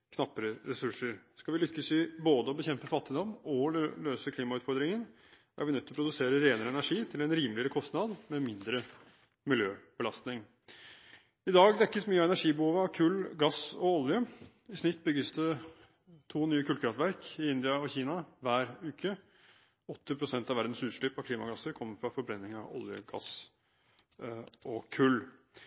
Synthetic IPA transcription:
kʰnɑpːəɾəɾɛsʉʂəɾskɑʋɪlʏkːəsɪboːd̪əɔbəçɛmpəfɑt̪ːɪd̪ɔmɔløːsəkʰliːmɑʉːt̪fɔɾd̪ɾɪŋən | ʔæ̰ɾʋɪnœt̪ːɪlɔpɾʊd̪ʉseːɾəɾeːnəɾəɛnæʂiːt̪ʰɪlɛnɾiːmlɪəɾəkʰɔst̪nɑd̪mɛmɪnd̪ɾə | mɪljøːb̥əlɑst̪nɪŋ | ɪd̪ɑːɡd̪ɛkːəsmyːəɑɛnæʂiːbəhuːʋəɑʋkʰʉːlːɡɑsɔɔljə | ɪsnɪt̪ːbʏɡːəsd̪ə | t̪ʰuːnyːəkʰʉːlkʰɾɑft̪ʋæɾkɪɪnd̪ɪɑɔçiːnɑʋæːɾʉːkʰə | ɔt̪ʰːəpʰɾʊsɛnt̪ɑʋæɾd̪n̩sʉːʂɭyːpɑʋkʰliːmɑɡɑsːəɾkʰɔmːəɾfɾɑfɔɾbɾɛnːɪŋɑ̰ʔɔ̰ljə̰ɡɑ̰s | ʔɔkʰʉlː

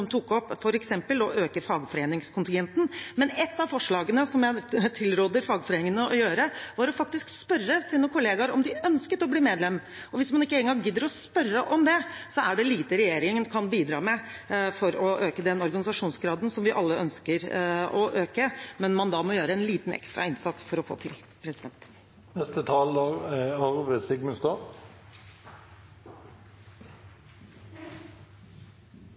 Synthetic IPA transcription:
ɔmt̪ʰukɔpːfɔɾɛksɛmpəlɔʔøːkəfɑːɡfɔɾeːnɪŋskʰʊnt̪ɪŋɡɛnt̪n̩mɛnɛt̪ːɑʋfɔʂɭɑːɡənəsɔmjæɪt̪ʰɪlɾoːd̪əɾfɑːɡfɔɾeːnɪŋənəɔjøːɾəʋɑɾɔfɑk̚t̪ɪskspœrːəsiːnəkʰʊleːɡɑɾɔmd̪ɪœnskət̪ɔbliːmeːd̪lɛmː | ɔʋɪsmɑnɪkːəeːɡəŋɡ̪ɑŋɡɪd̪ːəɾɔspœrːəʔɔmd̪ɛsɔæɖɛliːt̪əɾɛjeːɾɪŋənkʰɑnbiːd̪ɾɑ̰ːmɛ | fɔɾɔʔøːkəd̪ɛnɔɾɡɑnɪsɑʂuːnsɡɾɑːd̪ənsɔmʋɪʔɑlːəœnskəɾɔʔøːkəmɛnmɑnd̪ɑmɔjøːɾəɛnliːt̪n̩ɛ̰kst̪ɾɑ̰ɪnsɑt̪sfɔɾɔfo̰ːt̪ʰɪl | pʰɾɛsɪd̪ɛnt̪ | nɛst̪ət̪ʰɑːləɑʁʋɛsɪɡməst̪ɑ

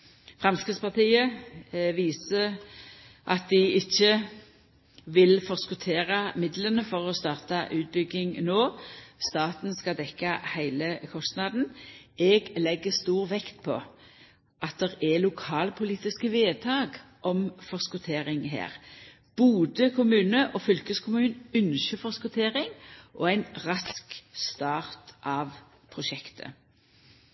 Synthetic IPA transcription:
fʁɑmskʁɪt̪spɑʁt̪iːəʋiːsə | ʔɑt̪̚d̪ɪɪçːə | ʋɪlfɔʁskʊt̪ʰeːʁɑmɪd̪lənəfɔʁɔst̪ɑːʁt̪ɑʔʉːt̪̚bʏɡɪŋnoːst̪ɑːt̪n̩skɑd̪ɛkːɑhæɪləkʰɔst̪nɑd̪n̩ɛːɡlɛɡːəst̪uːʁʋɛkt̪pʰɔ | ʔɑt̪̚d̪ɛʁɛlʊkʰɑːlpʰʊliːt̪ɪskəʋeːt̪ʰɑːɡʔɔmfɔʁskʊt̪ʰeːʁɪŋɦæ̰ːʁ | b̥uːd̪əkʰʊmʉːnəʔɔfʏlkəskʰʊmʉːnʉnʃəfɔskʊt̪ʰeːʁɪŋʔɔ̰æɪnʁɑskst̪ɑːʁt̪ʔɑːʋ | pʰʁʊʃɛkt̪ʰə̰

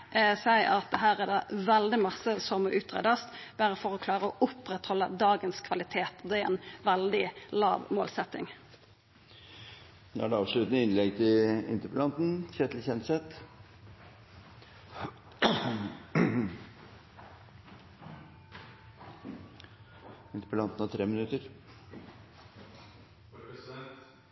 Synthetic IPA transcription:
sæɪʔɑt̪̚d̪ɛɦæːʁɛd̪ɑʋæld̪ɪmɑsːəsɔməʔʉːt̪ʁḛːd̪əst̪b̥æɾəfɔʁɔkʰlɑːʁəɔʔʊpɾɛt̪hɔlːəd̪ɑːɡənskʰʋɑlɪt̪ʰeːt̪ɔd̪ɛæɾɛ̰nʋæld̪ɪlɑ̰ːʋmo̰ːlsɛt̪ːɪ̰ŋ | nɔ̰ɖɛɑːʋʂlʉt̪n̩əɪnlɛɡt̪ʰɪɪ̰nt̪əplɑnt̪n̩çɛt̪ʰlçɛnt̪sɛt̪ | ɪnt̪əpəlɑnt̪nɑt̪ʰɾeːmɪnʉt̪əɾ

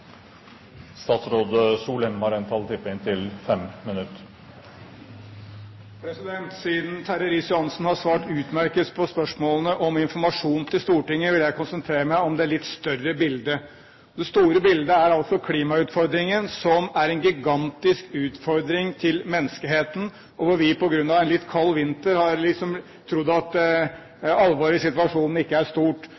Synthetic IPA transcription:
st̪ɑːt̪sɾoːd̪əsuːlɛnmɑɾeːnt̪ʰɑlt̪ʰɪpːɪnt̪ʰɪlfɛmmɪnʉt̪ː | pʰɾɛsɪd̪ɛnt̪siːd̪n̩t̪ʰæɾəɾɪsjʊɑnsn̩hɑsʋɑːʈʉːt̪mæɾkəspʰɔspœʂmoːlənəʔɔmɪnfɔɾmɑʂuːn̩t̪ʰɪlst̪uːʈɪŋːəʋɪljæɪkʊnsənt̪ʰɾeːɾəmæɪɔmd̪ɛæɭɪt̪ːst̪œrəbɪld̪ə | d̪ɛst̪uːɾəbɪld̪əæɾɑlt̪sɔkʰliːmɑʉːt̪fɔɾd̪ɾɪŋənsɔmæɾɛnɡɪɡɑnt̪ɪskʉːt̪fɔɾd̪ɾɪŋt̪ʰɪlmɛnːəskəɦeːt̪n̩ | ɔʋɔɾʋɪpɔɡɾʉnd̪ɑʋɛnlɪt̪ːkʰɑlːʋɪnt̪əɾhɑɾlɪksɔm | t̪ʰɾʊd̪ːɑt̪ | ɑlːʋɑːɾɪsɪt̪ʋɑʂuːnn̩ɪkːəæʂt̪uːʈ

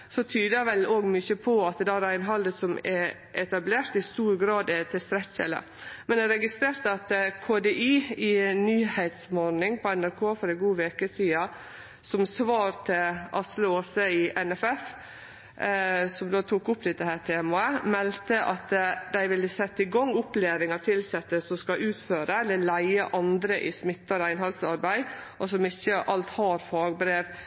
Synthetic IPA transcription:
sɔt̪ʰyːd̪əʋɛloːɡmʏçəpʰɔɑt̪d̪æɾæɪnɦɑld̪əsɔmɛ | ʔɛt̪ɑbleːɾt̪ɪst̪uːɾɡɾɑːd̪ɛt̪ʰɪst̪ɾɛçə̰lə̰ | mɛnd̪æɾɛɡɪst̪ɾeːɾt̪əɑt̪kʰoːd̪eʔiːɪyːhɛɪt̪smɔɾnɪŋpʰɔɛnæɾkʰoːfɔɾæɡuːʋeːkəsiːɑ | sɔmsʋɑːɾt̪ʰɪlʔɑsləoːsəɪʔɛnɛfɛf | sɔmd̪oːt̪ʰukʊp̚d̪ɛt̪əhæːʈʰeːmɑəmɛlt̪əʔɑt̪d̪æɪʋɪlːəsɛt̪ːəɪɡɑŋːʊpleːɾɪŋɑt̪ʰɪlsɛt̪ːəsɔmskɑʔʉːt̪føːɾəɛlːəlæɪəʔɑnd̪ɾəʔɪsmɪt̪ːɑɾæɪnɦɑlsɑɾbæɪʔɔsɔmɪçːəʔɑlt̪hɑɾfɑːɡbɾeːʋ

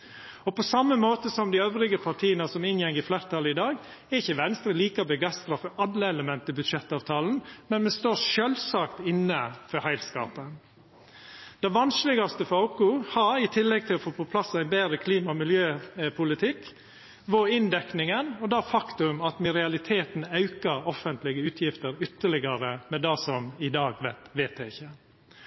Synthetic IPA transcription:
ɔpɔsɑmːəmoːt̪əsɔmd̪ɪøʋɾɪɡəpʰɑʈ̪ʰiːənəsɔmɪnjɛŋːɪflæɪɾət̪ʰɑləɪd̪ɑːɡ | ɛɪçəʋɛnst̪ɾəliːkəɔbəɡæɪst̪ɾɑfɔɾɑlːəɛləmɛnt̪əbʉd̪ʂɛt̪ːɑːʋt̪ʰɑːln̩mɛnmɛnst̪oːɾʃøːlsɑkt̪ɪnːəfɔɾhæɪlskɑ̰ːpə | d̪̥ɛʋɑnslɪɡɑst̪əfɑʊkʊhɑɾɪt̪ʰɪlːɛɡ̚t̪ʰɪlɔfoːpʰɔpʰlɑsːæɪbeːd̪ɾəkʰliːmɑɔmɪljøːpʰʊlɪt̪ʰɪk | ʋoɪnd̪ɛknɪŋənɔd̪ɑːfɑkt̪ʉmɑt̪mɪɾɛɑlɪt̪ʰeːt̪n̩ɑʉkəɾɔfənt̪lɪɡəʉːt̪ʰjɪft̪əɾʏt̪ːəɭɪɡɑɾəmɛd̪ɑːsɔmɪd̪ɑːɡʋæt̪ʋeːt̪d̪æɪçːə

